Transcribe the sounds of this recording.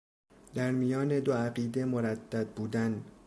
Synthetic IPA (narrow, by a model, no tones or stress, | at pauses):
d̪̥æɾmijɒːne̞d̪oæɢiːd̪e̞moɾæd̪ːæd̪̚buːd̪æn